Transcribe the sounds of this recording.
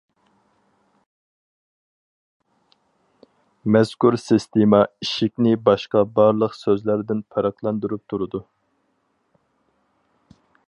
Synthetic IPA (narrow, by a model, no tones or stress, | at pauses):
mɛzkʰuɾsist̪emɑiʃikʲnɪbɑʃqɑbɑɾlˠəqsøzlæɾd̪ɪnpʰɑɾɑqlˠɑnd̪uɾup̚t̪ʰuɾud̪u